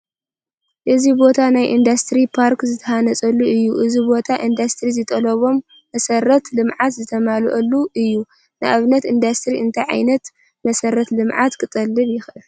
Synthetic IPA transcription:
ʔɨzibo̞t̪ʰanajʔind̪ast̪ɾipʰaɾkzɨt̪ʰɐhanɐt͡sʼɐlːuɨjːuʔɨzibo̞t̪ʰaʔind̪ast̪ɾizɨt̪ʼɐlɐβo̞mː | ɐsɐɾɐt̪lɨmʕat̪zɨt̪ʰɐmalʔɐlːuɨjːu | nɨʔaβnɐt̪ind̪ast̪ɾiɨnt̪ʰajʕa̰jnɐt̪ | mɐsɐɾɐt̪lɨmʕat̪kʰɨt̪ʼɐlːɨβjɪxʔɨl

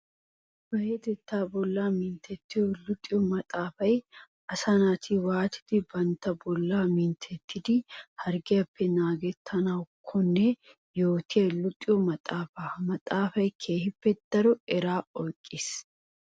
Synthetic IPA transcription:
b̥ɐjed̪ɛt̪ːaːbɔlːaːmɪnt̪ʰɛt̪ːɪjɔlʊt̪ʼːɪjɔmɐt̪ʼaːfɐj | ɐsɐnaːt̪ʰɪwaːt̪ʰɪ̥d̪̥ɪbɐnt̪ːɐbɔlːaːmint̪ʰɛt̪ʰːɪd̪ɪhɐɾɡɪjɐpʰːɛnaːɡɛt̪ʰːɐnɐwkʰɔnːɛ | joːt̪ʰɪjɐlʊt̪ʼɪjɔmɐt̪ʼaːfamɐt̪ʼaːfɐjkʰe̞ːhɪpːɛd̪̥ɐɾɔɛɾaːɔjkʼːɪs

